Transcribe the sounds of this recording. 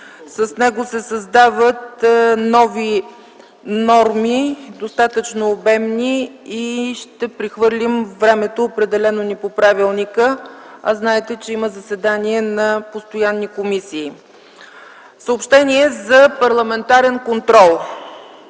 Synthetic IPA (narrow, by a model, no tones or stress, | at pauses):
səsnɛɡosɛsɐzd̪avət̪nɔvi | nɔɾmid̪ost̪at̪ət͡ʃnoːbɛmniiʃt̪ɛpɾixvɤɾlʲimvɾɛmɛt̪oːpɾɛd̪ɛlɛnonipopɾavilˠnikə | ɐznaɛt̪ɛt͡ʃɛiməzəsɛd̪aniɛnɐpost̪ojanːikomisiː | səopʃt̪ɛniɛzɐpɐɾlˠɐmɛnt̪aɾɛnkont̪ɾɔlˠ